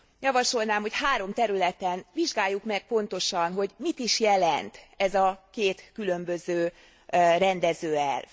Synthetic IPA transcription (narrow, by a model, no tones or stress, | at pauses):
jɒvɒʃo̞lnaːmho̞chaːɾo̞mt̪ɛɾylɛt̪ɛnviʒɡaːjːukmɛk̚po̞nt̪o̞ʃɒnɦo̞ɟmit̪iʃjɛlɛnt̪ɛzɒkeːt̪kylø̞mbø̞zøː | rɛnd̪ɛzøːɛ̰lv